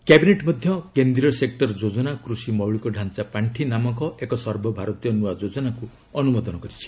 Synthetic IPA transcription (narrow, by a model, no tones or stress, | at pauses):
kabineʈmɔd̪ʱjɔkend̪ɾiɔsek̚ʈɔɾd͡ʒod͡ʒɔnakɾusimɔwɭikɔɖʱant͡ʃapaɳʈʰinamɔkɔekɔsɔɾbʱɔbʱaɾɔt̪ijɔnuad͡ʒod͡ʒɔnaku | ɔnumɔd̪ɔnɔkɔɾit͡ʃʰi̥